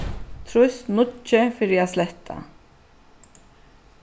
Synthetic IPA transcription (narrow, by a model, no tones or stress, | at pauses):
t̪ʰɾʊsnʊt͡ʃːɪfɪɾɪaslɛht̪ʰa̰